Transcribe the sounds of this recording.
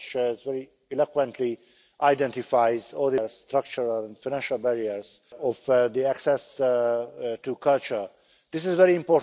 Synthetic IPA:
t͡ʃzvɛɹi | ɛlakwɛ̃nt̪ʰli | ʔajdɛ̃ntifajzɔldəlsst̪ɾak̚t͡ʃəɹalɛ̃nfaɪnæ̃nʃalbɛɹiəɹzɔfd̪iæksɛs | tukʰalt͡ʃə˞ | d̪ɪs̬ɪzvɛɾiĩmpɔ

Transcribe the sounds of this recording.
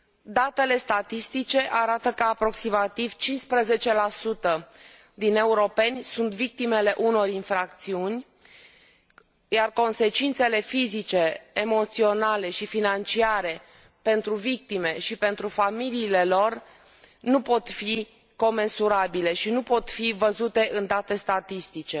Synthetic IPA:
d̪at̪e̞le̞st̪at̪ist̪it͡ʃe̞ʔaɾat̪əkəapɾo̞ksimat̪iv̥t͡ʃinspɾəze̞t͡ʃe̞lasut̪ə | d̪ine̞uɾo̞pe̞nʲsunt̪vik̚t̪ime̞le̞ʔuno̞rinfɾak̚t̪siunʲ | jarko̞nse̞t͡ʃint̪se̞le̞fizit͡ʃe̞ːmo̞t̪sio̞nale̞ʃifinant͡ʃiaɾe̞ | pe̞nt̪ɾuvik̚t̪ime̞ʃipe̞nt̪ɾufamiliːle̞lo̞r | nupo̞t̪fi | ko̞me̞nsuɾabile̞ʃinupo̞t̪fivəzut̪e̞ʔɨnd̪at̪e̞st̪at̪ist̪it͡ʃe̞

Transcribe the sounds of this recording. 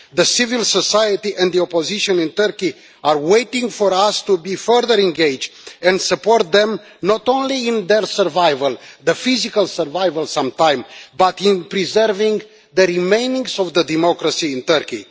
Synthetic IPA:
ðəsivilsosajət̪iʔɛ̃nd̪d̪iopoziʃə̃nĩnt̪əɾki | arwejt̪ĩŋɡfoɾast̪ubifəɾðəɾɛ̃nɡejd͡ʒɛ̃nd̪səpoɾt̪̚d̪ɛ̃m | nɔt̪õnliĩnd̪eɹsəɾvajvəld̪əfizikalsəɾvajvəlsãmt̪ãj̃mbat̪ĩnpɾizəɾvĩŋɡ | ðəɾimẽjnĩŋɡzɔvd̪əd̪imokɾasĩːnt̪əɾkḭ

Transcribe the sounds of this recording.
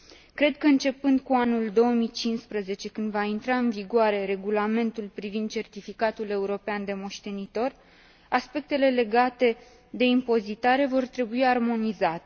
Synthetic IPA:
kɾe̞d̪̚kəɨnt͡ʃe̞pɨnd̪̚kuanuld̪o̞oəmit͡ʃinspɾəze̞t͡ʃe̞kɨnd̪vaint̪ɾaɨnviɡoaɾe̞ɾe̞ɡulame̞nt̪ulpɾivind̪̚t͡ʃe̞rt̪ifikat̪ule̞uɾo̞peand̪e̞mo̞ʃt̪e̞nit̪o̞r | aspe̞k̚t̪e̞le̞le̞ɡat̪e̞ | d̪e̞impo̞zit̪aɾe̞vo̞rt̪ɾe̞buiarmo̞nizat̪e

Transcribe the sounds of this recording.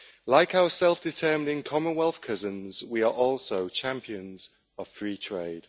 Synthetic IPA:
laɪkaʊəsɛlˠfd̥ɪtʰɜːm̃ndɪ̃nkʰɒmə̃nwɛlˠθkʰʌzə̃nzwiəɹʔɔˑlˠsoʊt͡ʃʰãmpiə̃nz̥ | əv̥fɹiːtʰɹ̥eɪd̥

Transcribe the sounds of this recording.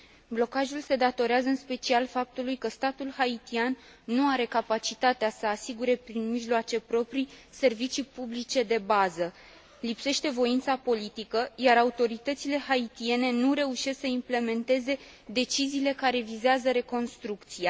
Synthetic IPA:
blo̞kaʒulse̞d̪at̪o̞ɾeazəɨnspe̞t͡ʃialfap̚t̪ulujkəst̪at̪ulhait̪ianː | uaɾe̞kapat͡ʃit̪at̪easəasiɡuɾe̞pɾinmiʒloat͡ʃe̞pɾo̞pɾise̞rvit͡ʃipublit͡ʃe̞d̪e̞bazə | lipse̞ʃt̪e̞vo̞int̪sapo̞lit̪ikəjaɾaut̪o̞ɾit̪ət̪sile̞hait̪ie̞ne̞nuɾe̞uʃe̞sksəimple̞me̞nt̪e̞ze̞ | d̪e̞t͡ʃiziːle̞kaɾe̞vizeazəɾe̞ko̞nst̪ɾukt̪sia

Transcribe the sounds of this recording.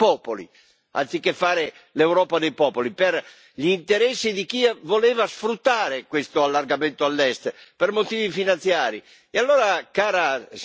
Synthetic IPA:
pɔːpolḭ | a̰nt̪sikefːaːɾe | lewɾɔːpad̪ejpɔːpolipɛr | ʎint̪eɾɛsːid̪ikiavolɛːvasfɾut̪ːaːɾekwest̪oalːarɡamɛnt̪oalːɛst̪permot̪iːvifinant̪sjaːɾi | ealːoːɾakaːɾas

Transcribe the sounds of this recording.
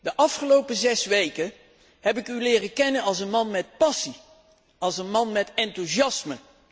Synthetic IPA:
dəʔɑfχəlowpəzɛsʋejkə | ɦɛp̬ɪkylɪːrəkɛnənɑlˠsənmɑnmɛt̚pɑsi | ɑlˠsənmɑnmɛtɛntuzɑsmə

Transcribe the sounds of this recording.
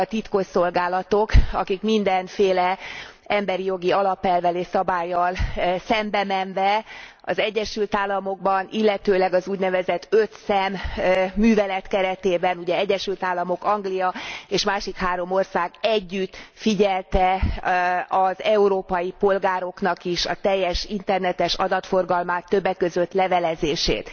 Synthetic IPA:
ɒt̪it̪ko̞ʃso̞lɡaːlɒt̪o̞kɒ̰kikmind̪ɛnfeːlɛ | ɛmbɛɾijo̞ɡiɒlɒpɛlvɛleːsɒbaːjːɒlsɛmbɛmɛnvɛɒ̰zɛɟːɛʃylt̪aːlːɒmo̞ɡ̚bɒnilːɛt̪øːlɛɡɒzuːɟnɛvɛzɛt̪ːøt̪sɛmː | yːvɛlɛt̪kɛɾɛt̪eːbɛnuɟɛɛɟːɛʃylt̪aːlːɒmo̞kɒŋɡlijɒeːʃmaːʃikhaːɾo̞mo̞rsaːɡɛɟːyt̪fiɟɛlt̪ɛ | ɒzɛuɾoːpɒjipo̞lɡaːɾo̞knɒkiʃɒ̰t̪ɛjːɛʃint̪ɛrnɛt̪ɛʃɒ̰d̪ɒt̪fo̞rɡɒlmaːt̪ːøbːɛkːø̞zøt̪lɛvɛlɛzeːʃḛːt̪

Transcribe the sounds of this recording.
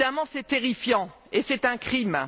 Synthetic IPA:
amɑ̃sɛt̪eʁifjɑ̃ | esɛt̪ɛ̃kχim

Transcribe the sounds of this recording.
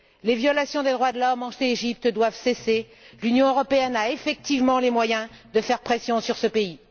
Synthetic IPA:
levjɔlasjɔ̃d̪ed̪ʁwad̪əlɔmɑ̃ʃneeʒip̚t̪d̪wavsese | lynjɔ̃øʁɔpeɛnaefɛk̚t̪ivmɑ̃lemwajɛ̃ | d̪əfɛʁpχesjɔ̃syʁsəpei

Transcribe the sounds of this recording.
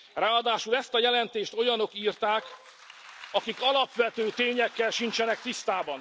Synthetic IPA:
raːɒd̪aːʃulɛst̪ɒjɛlɛnt̪eːʃt̪o̞jɒno̞kiːrt̪aːk | ɒkikɒlɒpʋɛt̪øːt̪eːɲɛkːɛlʃint͡ʃɛnɛkt̪ist̪aːbɒn

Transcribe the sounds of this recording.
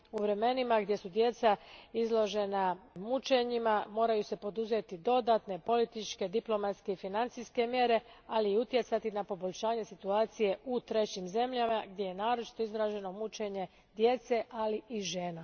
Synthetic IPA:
uʋɾe̞me̞nimaɡd̪jesud̪je̞t̪saizlˠo̞ʒe̞namut͡ʃe̞ɲimamo̞ːɾajuse̞po̞d̪uzet̪id̪o̞d̪at̪ne̞po̞lit̪it͡ʃke̞d̪iplˠo̞mat̪ske̞ifinant̪siske̞mje̞ɾe̞ | aliːut̪je̞t̪sat̪inapo̞bo̞ʎʲʃaːɲe̞sit̪uaːt̪sije̞ut̪ɾe̞t͡ɕimze̞mʎamaɡd̪je̞je̞naːɾo̞t͡ʃi̥t̪o̞izɾaːʒe̞no̞mut͡ʃe̞ɲe̞ | d̪jet̪se̞ʔaliʔiʒe̞ːna

